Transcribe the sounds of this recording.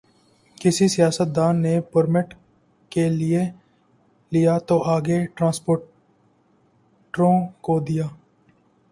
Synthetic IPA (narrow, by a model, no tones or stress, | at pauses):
kɪsisɪjaːsət̪̚d̪aːnːepəɾmɪʈ | kelie | lɪjaːt̪oʔaːɡeʈɾãːspoːʈ | ʈɾõːkod̪ijaː